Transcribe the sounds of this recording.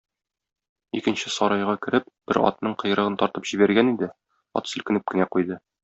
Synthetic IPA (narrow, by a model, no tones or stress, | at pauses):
ikɘ̆nɕɘsɒɾɑjʁɑkɘ̆ɾɘp̚b̥ɘɾɒ̰t̪̚nɤɴqɤ̆j̆ɾɤ̆ʁɤnt̪ɒɾt̪ɤpʑ̥ibæɾɡænid̪ɘ | ɒ̰t̪sɵ̆lkɘ̆nɘp̚kɘ̆næqujd̪ɤ